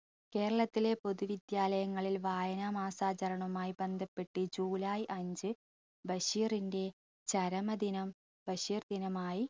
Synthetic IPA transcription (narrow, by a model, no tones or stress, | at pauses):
ke̞ːɾɐɭɐt̪ːile̞po̞ðuʋid̪jaːlɐjɐŋːɐɭilʋaːjɐnamaːsaːt͡ɕɐɾɐɳɐmaːjibe̞nd̪ʱɐpːe̞ʈːɨd͡ʑuːlaːjʔɐɲd͡ʑɨ | bɐɕiːrinde̞ | t͡ɕɐɾɐmɐd̪inɐm | b̥ɐɕiːrd̪inɐmaːji